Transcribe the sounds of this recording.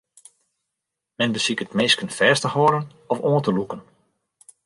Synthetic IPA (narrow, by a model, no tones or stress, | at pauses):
mɛnbəsikətmeːskənfɛːstəhoəɾən | ɔfoːə̃ntəlukən